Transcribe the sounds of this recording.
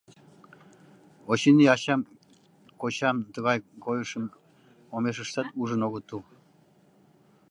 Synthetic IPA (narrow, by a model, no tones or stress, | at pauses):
oɕiniɑɕɑm | kot͡ɕɑmt̪əɣɑjkojəʃəm | omeʃ̬əʃt̪ɑt̪uʒənoɣət̪u